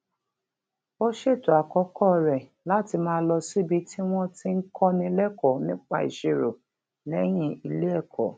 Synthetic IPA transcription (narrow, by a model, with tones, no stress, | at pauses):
o˦ʃe˦˨to˨a˨kɔ˨˦kʰɔ˦˨ɾɛ˨ | la˨˦ti˧mãː˦˧˦lɔ˧si˦˨bi˦ti˦w̃ɔ̃˦ti˧˦ŋ̩˦kʰɔ˦nĩ˧lɛ˦kɔ˨nĩ˦k͡pa˦˧ḭ˨ʃe˨ɾo˨ | lɛ˨˦j̃ĩ˧˨i˧le˦ɛ˦˨kʰɔ˨